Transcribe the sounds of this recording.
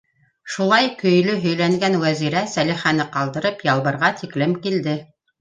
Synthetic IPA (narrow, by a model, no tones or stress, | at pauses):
ʃulˠɑjkɵ̆jlɵɦɵ̆jlæŋɡænwæziɾæsæliχænɘqɑlˠd̪ɤ̆ɾɤpjɑlˠβɤ̆ɾʁɑt̪ʰiklɘmkild̪ɘ